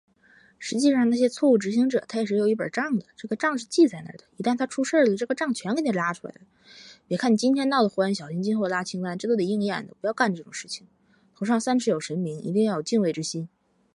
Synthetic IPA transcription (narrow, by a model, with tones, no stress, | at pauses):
ʂɻ̩˧˥t͡ɕi˥˧ʂɑ˥˧ŋna˥˩ɕjɛ˥t͡sʰwɔ˥˧u˥˩ʈ͡ʂɻ̩˧˥ɕ̬i˧˥ŋʈ͡ʂɤ˨˩t̪ʰa˥jɛ˨˩ʂɻ̩˥˩jo˨˩ʊi˥˩pə̰˨˩ʈ͡ʂɑ˥˩ŋd̪ə˩ʈ͡ʂɤ˥˩ɡə˩ʈ͡ʂɑ˥˧ŋʂɻ̩˥˧t͡ɕi˥˧t͡sa˥˩ɪnə̰˧˩d̪ə˩i˧˥t̪a˥˩nt̪ʰa˥ʈ͡ʂʰu˥ʂə˥˩lə˨˩ʈ͡ʂɤ˥˩ɡə˩ʈ͡ʂɑ˥˩ŋt͡ɕʰɥɛ˧˥nkə˥nʰɛ˥˩la˥ʈ͡ʂʰu˥la̰˧˥ɪd̪ə˩ | pjɛ˨˩kʰa˥˩ni˨˩t͡ɕi˥nt̪ʰjɛ˥nt̪ɑ˥˩ʊd̪ə˩xwə˥nɕjɑ˨˩ʊɕi˥ŋt͡ɕi˥nxo˥˧˩ə˨la˥t͡ɕʰi˥ŋt̪a˥nʈ͡ʂɤ˥˩t̪o˥˩ə˨˩i˥˧ŋjɛ˥˩nd̪ə̰˨˩pu˧˥jʊka˥˧nʈ͡ʂɤ˥˩ʈ͡ʂʊ˨˩ŋʂɻ̩˥˩t͡ɕʰi̥˨˩ŋ | t̪ʰo˧˥ʊʂɑ˥˧ŋsa˥nʂʰɻ̩˧˥˩jo˨˩ʊʂə˧˥nmi˧˥ŋḭ˧˥i˥˧ŋjɑ˥˩jo˨˩t͡ɕi˥˧nwe˥˩ɪʈ͡ʂɻ̩˧˥ɕi˥n